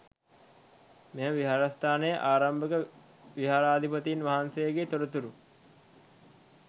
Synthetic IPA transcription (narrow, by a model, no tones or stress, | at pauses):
mejəʋiɦaːɾast̪aːnəjəʔaːɾambəkə | ʋiɦaːɾaːd̪ʱipət̪iːnʋaɦansəjəɡet̪oɾət̪uɾu